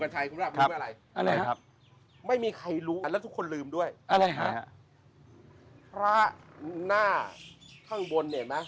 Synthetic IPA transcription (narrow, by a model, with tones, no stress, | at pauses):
ka˧nt͡ɕʰa˧jkʰu˧aː˥˩˧a˦m˥˩˨ɾa˧jʔa˧ɾa˧˦a˦˥p̚ | ma˥˩jmiː˧kʰa˧jɾuː˦˥a˧lɛ˦˥t̪ʰkʰːo˧nlɯː˧mdu˥˩əjʔa˧ɾa˧jkʰa˦˧˥a˧ | pʰɾa˦˥naː˥˩kʰa˥˩ŋbo˧nːi˥˩ɐma˦˥